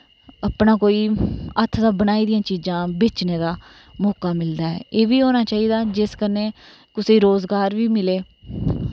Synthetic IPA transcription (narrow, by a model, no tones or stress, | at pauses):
əpnãːkoːiːət̪ʰd̪aːbənaːiːd̪ɪjãːt͡ʃiːd͡ʒãːbeːt͡ʃneːd̪aː | mɔːkaːmɪld̪aːɛ̰ːʔeːʋiːɦoːnaːt͡ʃaːiːd̪aːd͡ʒɪskəneː | kʊseːɾoːzɡaːɾʋiːmɪleː